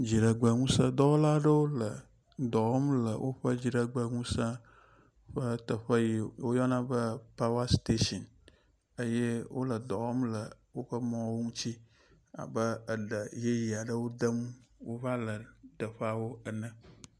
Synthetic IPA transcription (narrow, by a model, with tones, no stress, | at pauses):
d͡ʑi˨ɖə˨ɡ͡bə˨ŋũ˦sə̃˦d̪ɔ˦wo˦la˦ɖə˦wo˦lə˨ | d̪ɔ˨wɔ˦mlə̰˨wʔo˦ɸə˦d͡ʑi˨ɖə˨ɡ͡bə˨ŋũ˦sã˦ | ɸə˦t̪ə˨ɸə˦ji˨wo˦jɔ˦nã˦bə˦pa˦wa˦st̪e˦ʃɔ˨n | ə˦je˦wo˦lə˨d̪ɔ˨wɔ˦mlə˨wo˦ɸə˦mɔ̃˦wo˦ŋũ˦t͡ɕi˦ | a̰˨bə˦ə˨ɖə˨je˦ji˨a˨ɖə˦wo˦d̪ə˦mwo˦va˦lə˨ɖə˨ɸa˨wo˦ə˨nə̃˨